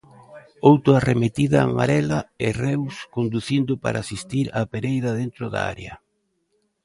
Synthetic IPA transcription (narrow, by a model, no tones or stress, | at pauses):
owt̪oaremet̪iðaːma̰ɾɛlaɪrɛwskond̪uθind̪ʊpa̰ɾʔaːsist̪iɾapeɾejðɐðent̪ɾʊða̰a̰ɾjɐ